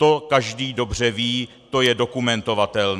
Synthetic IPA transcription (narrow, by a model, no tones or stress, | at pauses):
t̪o̞kaʒdiːdo̞br̝ɛviː | t̪o̞jɛdo̞kumɛnt̪o̞vat̪ɛln